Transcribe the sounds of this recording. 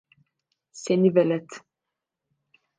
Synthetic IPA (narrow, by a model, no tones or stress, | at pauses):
senivɛlɛt̪